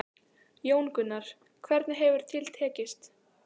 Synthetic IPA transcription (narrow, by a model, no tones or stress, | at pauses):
joːwnkʏnːaɾ̥ | kʰvɛɾt̪nɪɦɛvʏɾ̥t̪ʰɪlt̪ʰɛːcɪst̪